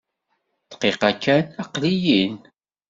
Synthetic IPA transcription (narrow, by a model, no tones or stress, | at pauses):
θqiqɑkːænæqlijin